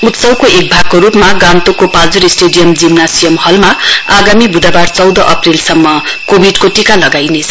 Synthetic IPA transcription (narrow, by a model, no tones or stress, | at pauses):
ut̪sʌwkoʔek̚bʱaɡ̚koɾupmaɡant̪okopad͡zuɾisʈeɖijʌmd͡zimnasijʌmhʌlmaaɡamibud̪abart͡sʌwd̪ʌʔʌprilsʌmːʌ | kobʱiɖkoʈikalʌɡajnet͡sʰʌ̥